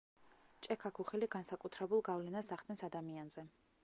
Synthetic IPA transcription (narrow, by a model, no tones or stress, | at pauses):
t͡ʃʼɛkʰakʰuχɛliɡansakʼut̪ʰɾɛbulˠɡavlɛnasaχd̪nɛnsad̪amianzɛ